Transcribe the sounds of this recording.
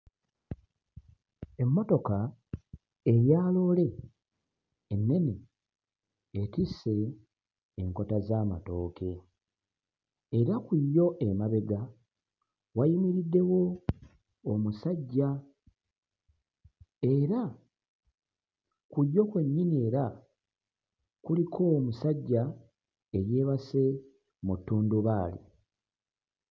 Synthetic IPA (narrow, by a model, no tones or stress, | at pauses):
e̞mːo̞to̞ka | eɾjaːlo̞ːle̞ | nːe̞ni | etise̞ː | ŋko̞tazaːma̰to̞ːke̞ | ɾakujo̞ʔemaβe̞ɡa | wajimiɾidːe̞wo̞ː | musaɟːa | e̞ɾa | kujːo̞kwe̞ɲːinie̞ːɾa | kulikʰo̞ːmusaɟːa | e̞ɾje̞ːβase̞ | mutːuːnduβaːlḭ